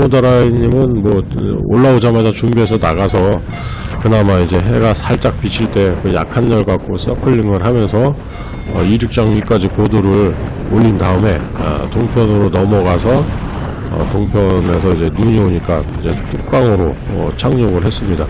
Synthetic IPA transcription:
modaɾaiɲimɯnmʌo̰ɭːaod͡ʑamad͡ʑat͡ɕumbiɦe̞s̬ʰʌnaɡasʰʌ | kɯdamaid͡ʑe̞ɦe̞ɡasʰaɭt͡ɕ͈ak̚p͈it͡ɕʰiɭt͈e̞kɯja̰kʰanːʌɭɡak̚k͈osʌkʰɯɭːiŋɯɭɦamjʌnsʰʌ | ʌiɾuk̚t͡ɕ͈aŋik͈ad͡ʑikodoɾɯɭ | oʎːindaɯme̞̰ | toŋpʰjʌnɯɾonʌmʌɡasʰʌ | ʌ̰toŋpʰjʌne̞sʰʌid͡ʑe̞nuɲioɲik͈aid͡ʑe̞t͈ʰuk̚p͈aŋɯɾo | ʌ̰t͡ɕʰaŋɲoɡɯɭɦe̞s͈ɯmɲida

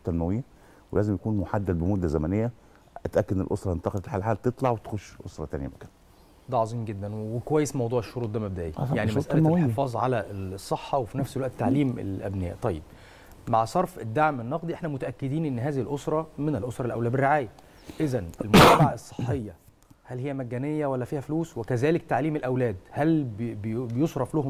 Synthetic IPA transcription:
t̪ːælmæwejːæ | wḛlæːzemjækuːnmoħad̪ːæd̪̚bemod̪ːæzæmænejːæ | æt̪ʔækːæd̪nḛlʔosɾˤɑent̪ɑqɑd̪elħaːlħaːlt̪et̪ˤlɑʕwet̪e̥xoʃːʔosɾˤɑt̪æ̰nejæ̰mokæn | d̪æʕɑzˤiːmɡed̪ːænwwekowæjːesmɑwd̪ˤuːʕeʃːoɾuːt̪̚ˤd̪æmæb̚d̪æʔiːjaʕnimæsʔælæħeefɑːzˤʕalæʔsˤːeħːɑwefinæfselwæʔt̪ːaʕliːmḛlʔæ̰bnæjːʔt̪ˤɑjːeb̚ | maʕsˤɑɾˤfed̪ːaʕmenːɑqd̪ˤiʔeħnæmot̪æʔækːed̪iːnʔenːɦæːzihilʔosɾˤɑmenelʔosɾˤɑlʔæwlæːberːeʕaːjæ | ʔezænʔelmot̪æmaʕaesˤːe̥ħːejːɑ | hælhejːæmæɡːænejːæwælːæfiːhæfluːswekæzæːlekt̪aʕliːmelʔæwlæːd̪hælbbbejosɾˤɑflohom

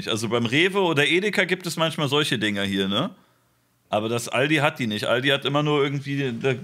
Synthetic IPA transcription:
ɪçʔa̰lzobaɪmʁeːvəoːdɐʔeːdɪkɐɡiːp̚tɛsmançmaːlzɔlçədɪŋəhiːɐnə | ʔaːbɐdasʔa̰ldiːɦat̚d̥iːnɪçtʔa̰ldiːhatʔɪmɐnuːɐʔɪɐɡŋ̩tv̥iːda

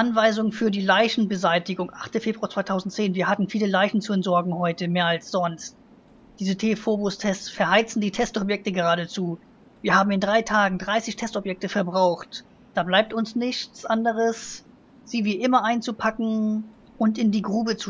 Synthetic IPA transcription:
ʔanvaɪzʊŋfyːɐdiːlaɪçn̩bəzaɪtɪɡʊŋʔaχtəfeːbʁuaɐt͡sv̥aɪtʰaʊzn̩tt͡seːnviːɐhatn̩fiːləlaɪçn̩t͡suɛntz̥ɔɐɡŋ̩hɔʏtəmeːɐalsz̥ɔnst̚ | d̥iːzətʰefobʊstʰɛst͡ssfɛɐhaɪt͡sn̩diːtʰɛstɔpjɛk̚təɡəʁaːɾət͡suː | viːɐhaːbm̩ɪndʁaɪtʰaːɡŋ̩dʁaɪsɪçtʰɛstɔpjɛk̚təfɛɐbʁaʊxt | d̥aːblaɪp̚tʊnsnɪçt͡sʔandəʁ̞əs | z̥iːviːʔɪmɐʔaɪnt͡supʰakŋ̩ | ʔʊntɪndiːɡʁuːbət͡su

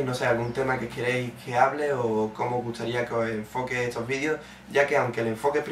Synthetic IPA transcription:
no̞sealɣunt̪e̞makekeɾejhkʰe̞aβle̞oko̞moːzɣust̪aɾiakeoseeɱfo̞keest̪o̞zβiðjos | ɟ͡ʝake̞awŋke̞le̞ɱfo̞kepɾ

